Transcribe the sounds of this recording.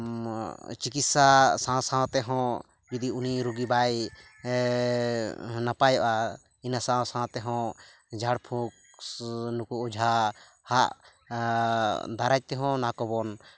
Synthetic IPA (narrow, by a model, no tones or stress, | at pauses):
t͡ʃikit̪sasãsãt̪ɛɦɔ̃ | d͡ʒud̪iuniɾuɡibaj | napajɔʔa | inasãsãt̪ɛɦɔ̃ | d͡ʒʱaɽpʰũk̚ | nukuːd͡ʒʱa | haʔ | d̪aɾac̚t̪ɛɦɔ̃nakɔbɔn